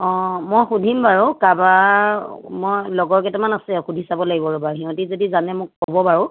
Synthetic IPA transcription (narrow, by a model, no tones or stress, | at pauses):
ɔ̃mojxudʱimbaɹukaba | mɔjlɔɡɔɹkɛtɛmanasɛxudʱisabɔlaɡibɔɹɔbaɹɦiɦɔ̃tizodizanɛmʊkːɔbɔbaɹʊ